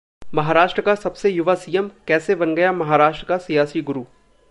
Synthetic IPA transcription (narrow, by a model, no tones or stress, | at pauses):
mɐɦaːɾaːʃʈɾəkasɐbsejʊʋasijəmkɛːsebɐnɡɐjamɐɦaːɾaːʃʈɾəkasijaːsiɡʊɾuː